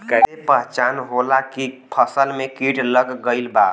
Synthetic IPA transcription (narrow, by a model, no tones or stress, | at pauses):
kəepəɦt͡ʃanɦolakipʰəsəlmekiʈləɡːəɪlba